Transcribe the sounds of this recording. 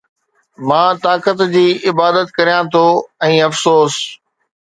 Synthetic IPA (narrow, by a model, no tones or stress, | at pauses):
mãːt̪aːkət̪d͡ʑiːʔɪbaːd̪ət̪kɐɾijãt̪ʰoɛ̃ːɐfsoːs